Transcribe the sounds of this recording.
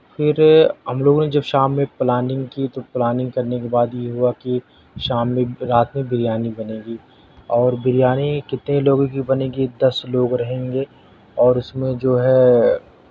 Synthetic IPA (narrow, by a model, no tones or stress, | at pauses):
fʰɪɾɦɐmloːɡoned͡ʒɐbʃaːmːẽplaːnɪ̃ŋɡkit̪oplaːnɪ̃ŋɡkɐɾnekebaːd̪jeɦuaki | ʃaːmːẽɾaːt̪mẽbʱɪɾijaːnibɐneːɡiː | ɔːɾbʱɪɾijaːnikɪt̪neloːɡõkibɐnẽːɡid̪ɐsloːɡɾɐɦẽːŋɡeː | ɔːɾʊsmẽd͡ʒoːɦɛ